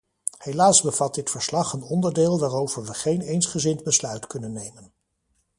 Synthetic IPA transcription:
hejlaːsbəvɑt̚dɪtfəɹslɑχənɔndəɹdɪːlˠʋaːrowvəɹʋəχejnejnsχəzɪndbəslœɥtkɵnənːejmən

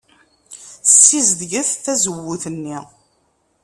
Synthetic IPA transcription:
sːizd̪ʝəθθæzəwːuθənːi

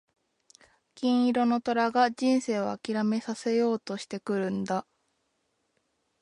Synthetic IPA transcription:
kʲĩɰ̃iɾo̞no̞t̪o̞ɾaɡad͡ʑĩɰ̃se̞ːβaːkʲiɾame̞sase̞jo̞ːt̪o̞ɕi̥t̪e̞kɯ̟ɾɯ̟̃nd̪a

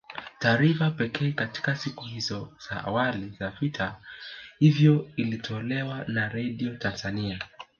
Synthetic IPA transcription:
taːɾifapɛkɛːkati̥kasikuhizɔz̥aʔa̰walizavitʰahivjɔilitʰɔlɛwanaɾɛɗiɔtanzania

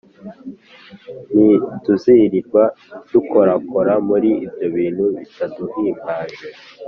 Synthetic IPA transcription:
nituziɾiɾɡwad̥uko̞ɾakoɾamuɾiːbjo̞βiːn̥huβitaduhiːmbaːʒe

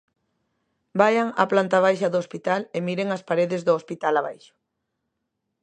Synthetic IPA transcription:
bajaŋa̰plant̪aβ̞ajʃɐðʊospit̪alemiɾeŋɐspaɾeðɪzðʊospit̪alaβajʃʊ̥

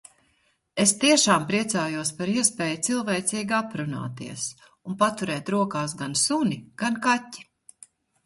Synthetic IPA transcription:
est̪iɛʃaːmpɾiɛt̪saːjuɔspaɾiɛspɛːjut̪silˠvɛjt̪siːɡapɾuna̰ːt̪iɛs | unpat̪uɾɛːt̪ɾuɔkaːsɡansuniɡ̥ankatʲːi̥

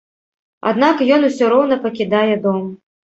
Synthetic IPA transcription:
a̰d̪n̪akjɔnusʲɔɾɔwnɐpɐkʲid̪ajɛd̪ɔm

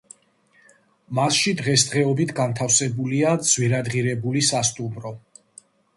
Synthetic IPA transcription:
masʃid̪ʁɛsd̪ʁɛɔbit̪ʰɡant̪ʰafsɛbuliad̪z̥wiɾad̪ʁiɾɛbulisast̪ʼumɾɔ

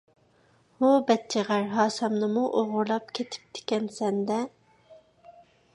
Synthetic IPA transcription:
ubɛt̪̚t͡ʃʰiʁæɾɦɑːsɛmnɨmuʔoʁʊɾlˠɑp̚kʲʰet̪ʰɪ̥p̚t̪ʰɪ̥kʲɛnsɛnd̪ɛ

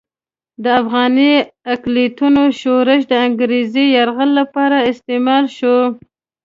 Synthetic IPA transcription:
d̪əafɣɑniaklit̪unoʃoɾɪʃ̬d̪əaŋɡɾezijaɾɣəlːapɑɾaɪst̪emɑlʃo

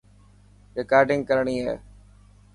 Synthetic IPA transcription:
ɾeːkaːɾʈɪ̃ŋɡ̚kəɾɳiːɦɛ̰ː

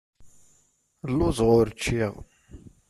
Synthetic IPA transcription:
lːʊzʁʊɾt͡ʃːiʁ

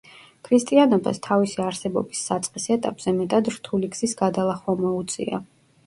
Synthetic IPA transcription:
kʰɾist̪ʼianɔba̰st̪ʰavisiaɾsɛbɔ̰bisːat̪sʼqʼisɛt̪ʼapʼz̥ɛmɛt̪ʼad̪ɾt̪ʰuliɡz̥isɡad̪alˠaχwamɔut̪sʼḭa̰

